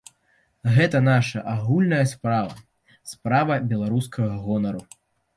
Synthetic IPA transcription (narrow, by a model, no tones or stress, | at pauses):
ɣɛt̪ɐnaʂɐʔaɣulʲnɐjɐspɾavɐ̰ | spɾavɐbʲɛlˠaɾus̬kʰɐɣɐɣɔnɐɾu